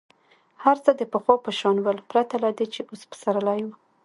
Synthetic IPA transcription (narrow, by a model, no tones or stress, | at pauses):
haɾt͡səd̪əpəxwɑpəʃɑnwəlpɾat̪alad̪et͡ʃeʔospə̥saɾəlaju